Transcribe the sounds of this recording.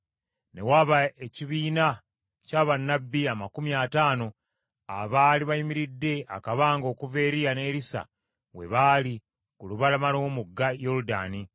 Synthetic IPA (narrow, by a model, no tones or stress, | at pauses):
ne̞̰waβae̞ciβiːna | caːβanːabːiamakumijaːtaːno̞ | a̰βaːliβajimiɾidːe̞a̰kaβaːŋɡo̞ːkuve̞ɾijane̞ːɾisa̰ | we̞̰βaːli | kuluβalamaloːmuɡːajo̞ɾuda̰ːni